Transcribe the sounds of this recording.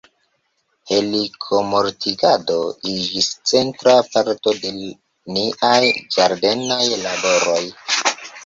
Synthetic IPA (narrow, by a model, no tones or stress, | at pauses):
he̞likʰo̞mo̞ɾtʰiɡado̞id͡ʒist͡se̞ntɾapaɾto̞de̞ | niʔajd͡ʒaɾde̞najlabo̞ɾo̞j